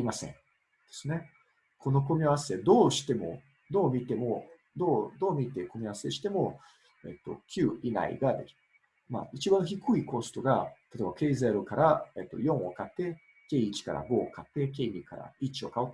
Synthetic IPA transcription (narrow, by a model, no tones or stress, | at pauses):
aɾʲimasẽ̞̰ɴ | d̪̥e̞sɨne̞ | kʰo̞no̞ko̞mʲiaase̞d̪o̞ːɕi̥t̪e̞mo̞̰ | d̪o̞ːmʲit̪e̞mo̞ | d̪oːd̪o̞ːmʲit̪e̞ko̞mʲiaβase̞ɕi̥t̪e̞mo̞ | ḛt̪ːo̞̰kʲʰɨːina̰ḭɡad̪e̥ | ma̰it͡ɕibãɰ̃çikɯ̟iko̞st̪o̞ɡat̪at̪oebake̞ːzeɾokaɾaet̪ːo̞̰jõ̞ɰ̃o̞̰kat̪ːe̞ | ke̞ːit͡ɕi̥kaɾa̰ɡo̞ːkat̪ːe̞ke̞ːɲ̟ikaɾa̰it͡ɕio̞kaot̪ː